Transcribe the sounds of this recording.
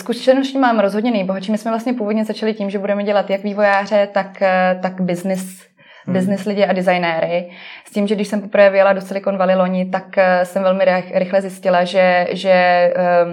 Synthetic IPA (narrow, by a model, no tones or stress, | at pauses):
skuʃt͡ʃlɛnoʃciːmaːmɾozɦodɲɛnɛjboɦat͡ʃiːmɪsmɛvlast̪ɲɛpuːvod̪ɲɛzat͡ʃalɪciːmʒɛbudɛmɛɟɛlat̪jakviːvo̞jaːr̝ɛt̪akt̪akbɪznɪs | bɪznɪslɪɟɪʔadɪzajnɛːɾɪsciːmʒɛɡdɪʃsɛmpopɾvɛːvɪjaladot͡sɛlɪkonvalɪlo̞ɲɪt̪aksɛmvɛlmɪɾɪxlɛzjɪscɪlaʒɛʒɛ